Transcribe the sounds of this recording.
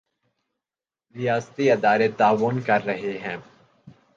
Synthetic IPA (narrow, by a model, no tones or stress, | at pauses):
ɾɪjaːst̪iɐd̪aːɾet̪aːʋʊnkɐɾːɐɦeɦɛ̃ː